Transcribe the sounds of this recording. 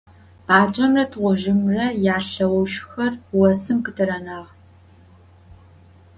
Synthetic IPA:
baːt͡ʃʼɐmrɐtʰʁʷʊʒɪmrɐjaːɬɐwɔwʃxɐrwɐsɨmkɨtʰɨɾɐnaːʁ

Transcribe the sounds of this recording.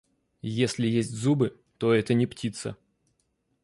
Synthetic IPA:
jesʲlʲɪjesʲtʲzubɨ | t̪oɛt̪ənʲɪptʲit̪sə̰

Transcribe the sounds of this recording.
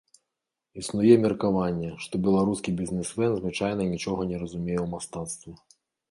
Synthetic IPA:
isnujɛmʲɛrkavanʲːɛʂt̪ɔbʲɛlˠaɾuskʲibʲizʲnɛsmɛnzvɨt͡ʂajnɐinʲit͡ʂɔɣɐnʲɛɾɐzumʲejɛwmast̪at̪st̪vɐ

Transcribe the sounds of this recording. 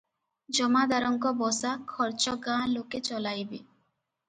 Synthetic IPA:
d͡ʒɔmad̪aɾɔŋkɔbɔsakʰɔɾt͡ʃɔɡãloket͡ʃɔlajbe

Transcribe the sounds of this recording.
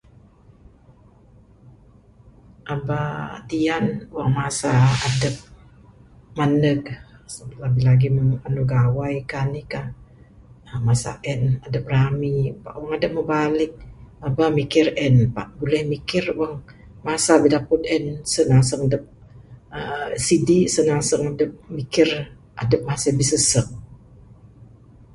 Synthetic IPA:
ʔabat̪ianwaŋmasaadəp̚ | manək̚səbt̪labɪhlaɡiməanuɡawajkanika | əmasa̰ʔɛnadəp̚ramipa̰ʔwəŋadəp̚məbalɪk̚abamikɪrɛnpaʔbulɛhmikɪrwaŋ | masabidaput̪̚ɛnsənaŋsəŋadəp̚əsidisənaŋsəŋadəp̚mikɪr | ʔa̰dəp̚masɪhbisəsəŋ

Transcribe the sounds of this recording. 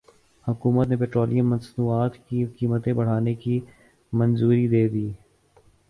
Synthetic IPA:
hʊkuːmət̪nep̬eːʈɾoːlijə̃mːɐ̃nsnuːaːt̪kikiːmət̪ẽbɐɽ̤aːneki | mɐ̃nzuːɾid̪eːd̪iː

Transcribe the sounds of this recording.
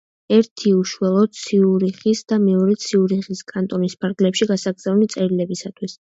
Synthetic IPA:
ɛɾt̪ʰiuʃwɛlˠɔd̪̥̚t̪sʰiuɾiχisd̪amɛɔɾɛt̪sʰiuɾiχiskʼant̪ʼɔnispʰaɾɡlɛpʃiɡasaɡd̪zaulit̪sʼɛɾilɛbisat̪ʰwis

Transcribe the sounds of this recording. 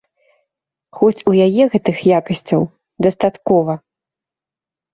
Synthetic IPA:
xɔt͡sʲujajɛɣɛt̪ɨxjakɐsʲt͡sʲɐw | d̪ɐst̪at̪kɔvɐ

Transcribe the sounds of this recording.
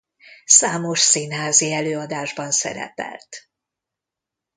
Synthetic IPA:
saːmo̞ʃsinɦaːziɛløːɒd̪aːʒbɒnsɛ̰ɾɛ̰pɛ̰lt̪

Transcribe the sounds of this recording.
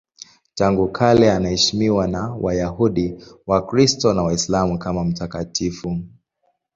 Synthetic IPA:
taŋɡukʰalɛanahɛʃimiwanawʔajaɦuɗiwakɾistɔnawaislamukamam̩takatʰifu

